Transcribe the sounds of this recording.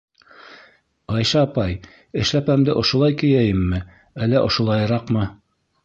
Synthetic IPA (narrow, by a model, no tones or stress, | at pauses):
ɑjʃɑːpɑj | ɘ̆ʃlæpæmd̪ɘʔŏʃŏlˠɑjkɘ̆jæjɘmːɘ | ælːæʔŏʃŏlˠɑjɤ̆ɾɑqmɤ